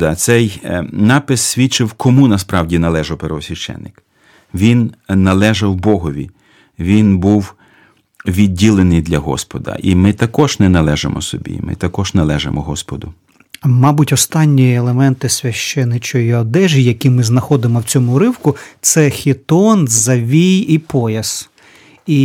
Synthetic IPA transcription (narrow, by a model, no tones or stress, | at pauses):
d̪ɑsɛjnɑpɪsːʲʋʲit͡ʃɪwkɔmunɐspɾɑwdʲinɐlˠɛʒɐwpeɾʋɔsʲʋʲiʃt͡ʃɛ̰nːɪk | ʋʲinːɐlˠɛʒɐwbɔɦɔʋʲḭ | ʋʲinbuw | ʋʲid̚ʲːilˠenɪjd̪lʲɐɦɔ̰spɔd̪ɐ̰ʔimɪt̪ɐkɔʒnɛnɐlˠɛʒemʔɔ̰sɔbʲḭmɪ̰t̪ɐkɔʒnɐlˠɛʒḛmɔɦɔspɔd̪ʊ | mɑbʊtʲɔst̪ɑnʲːielˠemɛnt̪ɪsʲʋʲɐʃt͡ʃɛnːɪt͡ʃɔjiɔd̪ɛʒɪjɐkʲimɪznɐxɔd̪ɪmɔwt͡sʲɔmʊɾɪwkʊt̪sɛxʲɪt̪ɔnzɐʋʲijipɔjɐs | i